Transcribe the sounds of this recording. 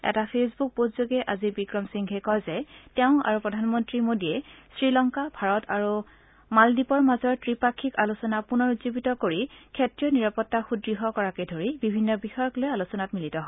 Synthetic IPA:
ɛ̰tapʰesbuk̚bodzoɡɛʔazibikɹɔmsiŋkʰɛkɔjzɛtɛʊ̃a̰ɹupɹɔdʱanmɔntɹimodiɛsɹilɔŋkabʱaɹɔtʰaɹu | maldipɔɹmazɔɹtɹipakʰːikalusɔnapunɔɹuzobitɔkoɹikʰetɹiɔniɹapɔtːaxudɹiɦɔkɔɹakedʱoɹibibʱinːɔbixɔjɔklojalusɔnatmilitɔɦɔ

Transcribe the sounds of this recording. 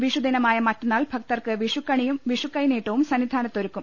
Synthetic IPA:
ʋiʂud̪inɐmaːjɐmɐtːɐnːaːlbʱɐk̚t̪ɐrkɨʋiʂukːɐɳijumʋiʂukːɐjneːʈːoːʋumsɐnːid̪ʱaːnɐt̪ːoɾukːum

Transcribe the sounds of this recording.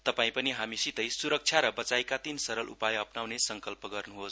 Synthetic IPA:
t̪ʌpaĩpʌniɦamisit̪ʌjsuɾʌk̚t͡sʰjaɾʌbʌt͡sajkat̪insʌɾʌlʔṵpajʌpnawnesʌŋkʌlpʌɡʌrnuɦos

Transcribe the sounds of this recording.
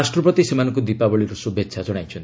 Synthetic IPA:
asʈɾɔpɾɔt̪isemanɔŋkud̪ipabɔɭiɾusubetːt͡ʃʰad͡ʒɔɽ̃ajt͡ʃʰɔnt̪

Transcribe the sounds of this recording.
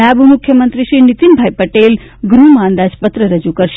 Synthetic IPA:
abmʊkʰjəmənt̪ɾiʃɾinit̪inbʱajpəʈel | ɡɾumãnd̪ad͡ʒpət̪ɾəɾəd͡ʒukəɾʃ

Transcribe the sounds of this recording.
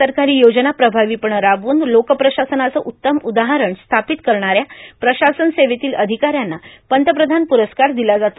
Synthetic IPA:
əɾkaɾiːjod͡ʑənapɾəbʱaʋiːpəɳɾaʋuːnd̪lokəpɾəɕasənat͡səːʔut̪ːəmud̪aɦaɾəɳst̪ʰapit̪kəɾɳ̃aɾjapɾəɕasənseʋet̪iːləd̪ʱikaɾjanːapənt̪əp̬ɾəd̪ʱanpuɾəskaɾd̪ilad͡zat̪o

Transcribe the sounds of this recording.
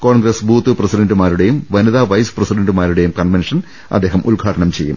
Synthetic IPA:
koːɳɡɾɐsbʱuːt̪ːɨprɐsiɖɐɳɖumaːɾuɽe̞jumʋɐnuðaːʋɐjsɨ̥prɐsiɖɐɳɖɨmaːɾuɽe̞jumkɐnʋenʂɐn | ɐ̰d̪ːe̞ːɦɐmʔulɡʱaːʈɐɳɐmt͡ɕe̞jːṵm

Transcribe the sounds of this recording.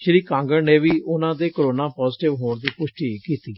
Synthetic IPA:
ʃəɾiːkãːŋɡəɾneːʋiːʔʊnãːd̪eːkəɾoːnãːpɔːzʈɪʋɦoːɳd̪iːpʊʃʈiːkiːt̪iː

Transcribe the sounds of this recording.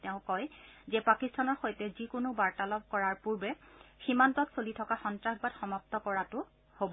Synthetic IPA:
tɛʊ̃kɔjzɛpakistʰanɔɹxojtɛzikʊnʊbaɹtalɔb̚kɔɹaɹpuɹbɛximantɔksolitʰɔkaxɔntɹaxbatxɔmap̚tɔkɔɹatʊ | hobɔ

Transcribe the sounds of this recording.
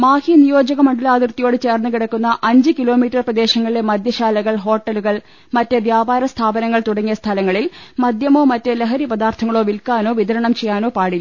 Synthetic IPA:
maːhinijo̞ːd͡ʑɐɣɐmɐɳɖilaːd̪irt̪ːijo̞ːɽɨt͡ɕe̞ːrnːukiɽɐkːunːɐʔɐɲd͡ʑɨkilo̞ːmiːtːɐrprɐd̪e̞ːɕɐŋːɐɭilemɐd̪jɐɕaːlɐɣɐɭɦo̞ːʈːɐluɣɐɭ | mɐtːɨʋjaːbaːɾɐst̪ʰaːbɐnɐŋːɐɭt̪uɽɐŋːijɐst̪ʰɐlɐŋːɐɭilmɐd̪jɐmo̞ːmɐtːɨleɦɐɾipɐd̪aːrt̪ʰɐŋːɐɭoːʋilkaːnoːʋid̪ɐɾɐɳɐmt͡ɕejːaːno̞ːpaːɽiː

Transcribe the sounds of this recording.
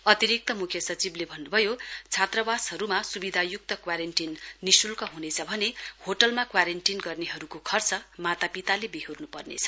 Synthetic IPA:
ʌt̪iɾik̚t̪ʌmukʰjʌsʌt͡siblebʱʌnːubʱʌjot͡sʰat̪rʌbashʌɾumasubid̪ʱajuk̚t̪ʌkwaɾenʈinːisulkʌɦunet͡sʰʌbʱʌnehoʈʌlmakwaɾenʈinɡʌrneɦʌɾukokʰʌrt͡sʌmat̪apit̪alebiɦurnupʌrnḛt͡sʰʌ̥

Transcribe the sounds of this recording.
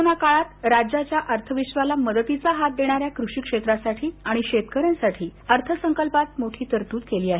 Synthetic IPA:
onakaɭat̪ɾad͡ʑat͡ɕjaʔəɾt̪ʰəʋiɕʋalaməd̪ət̪it͡saɦat̪̚d̪eɽ̃aɾjakɾuɕikʂet̪ɾasaʈʰiːaɽ̃iɕet̪kəɾãnsaʈʰiːəɾt̪ʰəsəŋkəlpat̪̚moʈʰiːt̪əɾt̪uːt̪keliːaɦe

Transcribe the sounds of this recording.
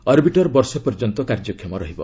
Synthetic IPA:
ʌɾbiʈɔɾbɔɾsɔpɔɾd͡ʒɔnt̪ɔkaɾd͡ʒɔkʰjɔmɔɾɔɦibɔ̰

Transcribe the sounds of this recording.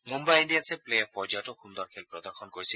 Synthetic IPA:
mumbajinɖijasʰeplejapɔɾd͡ʒaʈɔxund̪ɔɾkʰelpɾɔd̪ɔɾxʰɔnkoɾisʰi

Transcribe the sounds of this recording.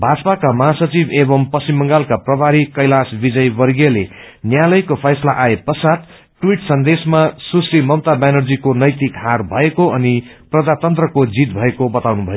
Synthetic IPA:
bʱad͡zpakamʌɦasʌt͡sibebʌmpʌsimːʌŋɡalkaprʌbʱaɾikʌjlasbid͡zʌjbʌɾɡelenjalʌjkopʰajslaʔaepʌsat̪ | ʈwiʈsʌnd̪esmasusrimʌwt̪abanʌrd͡zikonʌjt̪ikɦarbʱʌekoʌniprʌd͡zat̪ʌnt̪rʌkod͡zit̪bʱʌekobʌt̪awnubʱʌjo

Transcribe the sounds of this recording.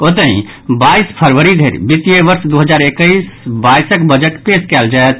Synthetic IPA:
ot̪əɦḭ̃ | baispʰəɾʋəɾid̪ʱeɾbit̪ijeʋəɾsd̪uɦəd͡ʒaɾekəɪsbaisəkbəd͡ʒəʈpeskɛld͡ʒaet̪

